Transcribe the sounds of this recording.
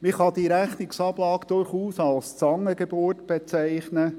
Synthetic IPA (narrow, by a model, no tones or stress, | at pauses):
mɪχɑd̪iɾæχnɪksɑblɑːkd̥̪ʊrχuːsɑlst͡sɑŋːəɡebʊrtb̥et͡sæɪχnə